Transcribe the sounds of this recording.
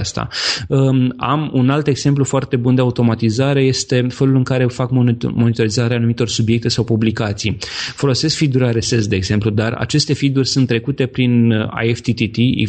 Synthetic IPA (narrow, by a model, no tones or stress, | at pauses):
ast̪a̰əa̰munalt̪e̞ɡz̥e̞mp̬lufoart̪e̞bund̪e̞aut̪o̞mat̪izaɾe̞je̞st̪e̞fe̞lulɨŋkaɾe̞fakmomo̞nit̪o̞ɾizaɾeanumit̪o̞rsubjek̚t̪e̞sawpublikat̪sijfo̞lo̞se̞skfid̪uɾʲaɾe̞se̞sd̪e̞ːɡz̥e̞mplud̪ara̰t͡ʃe̞st̪e̞fid̪urʲsunt̪ːɾe̞kut̪e̞pɾina̰jeft̪it̪it̪ḭ